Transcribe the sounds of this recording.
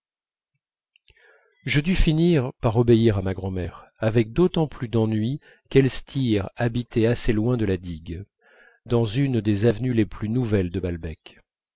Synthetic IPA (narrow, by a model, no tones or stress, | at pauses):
ʒəd̪yfiniʁpaʁɔbeiʁamaɡʁɑ̃mɛʁavɛk̚d̪ot̪ɑ̃plyd̪ɑ̃nɥi | kɛlst̪ʰiʁabit̪ʰɛaselwɛ̃d̪əlad̪iɡ | d̪ɑ̃zynd̪ezavnyleplynuvɛld̪əbalbɛk